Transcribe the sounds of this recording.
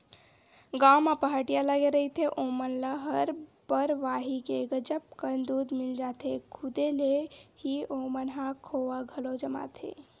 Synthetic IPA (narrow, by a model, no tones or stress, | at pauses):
ɡaːwmapəɦaʈijalaɡeɾəit̪ʰeʔomənləɦəɾbəɾʋaːɦikeɡəd͡ʒəp̚kənd̪uːd̪mild͡ʒaːt̪ʰekʰud̪elehiomənɦãkʰoʋaɡʱəlod͡ʒəma̰t̪ʰḛ